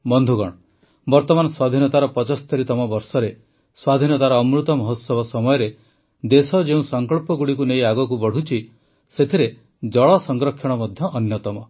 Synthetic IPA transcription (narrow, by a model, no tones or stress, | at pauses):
bɔnd̪ʱuɡɔɽ̃ɔ | bɔɾt̪ɔmanɔswad̪ʱinɔt̪aɾɔpɔt͡ʃɔst̪eɾit̪ɔmɔbɔɾsɔɾe | swad̪ʱinɔt̪aɾɔːmɾut̪ɔmɔɦot̪sɔbʱɔsɔmɔjɔɾe | d̪esɔd͡ʒeũsɔŋkɔɭpɔɡuɽikunejaɡɔkubɔɽ̤ut͡ʃʰi | set̪ʰiɾe | d͡ʒɔɭɔsɔŋɡɾɔkʰjɔɽ̃ɔmɔd̪ʱjɔʔːnjɔt̪ɔmɔ